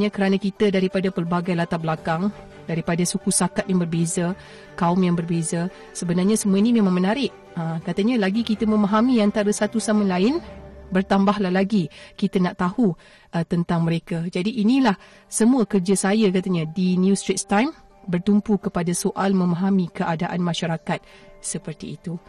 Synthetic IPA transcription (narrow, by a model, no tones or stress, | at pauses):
ɲakəɾanakit̪ədaɾipadapərbaɡajlat̪abəlakaŋ | daɾipadasukusakat̪̚jaŋbərbeza | kaʊmjaŋbərbeza | səbənarɲasəmuainimemãŋmənaɾɪʔ | əkat̪aɲalaɡikit̪əmə̃maɦamĩant̪aɾasat̪usaməlaɪnbərt̪ambaɦlahlaɡikit̪anaʔt̪ahu | ət̪ənt̪aŋmə̃ɾekad͡ʒadiʔːnilah | səmuakərd͡ʒasajakat̪aɲãdinjust̪ɾitst̪ajm | bərt̪umpukəpadasoʔalmə̃maɦamĩkəʔadaʔanmãʃaɾakat̪̚səpərt̪iːt̪u